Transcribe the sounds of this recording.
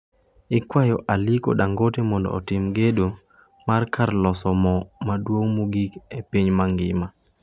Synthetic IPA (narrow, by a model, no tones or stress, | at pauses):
ɪkwajɔʔaliko̰ɗaŋɡotemɔndɔ̰ːtɪmɡedo | markarlɔsɔmɔmadwoŋmuɡikepiɲmaŋɡɪma